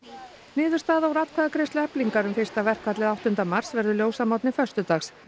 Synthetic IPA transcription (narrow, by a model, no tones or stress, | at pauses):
nɪːðʏɾ̥st̪aːðawɾat̪kʰvaðakɾest̪ʏɛpliŋkaɾʏmfɪr̥st̪avɛr̥kʰvat̪lɪðawht̪ʏnt̪amar̥svɛɾðʏljoːwsamawt̪nɪfœ̥st̪ʏt̪axs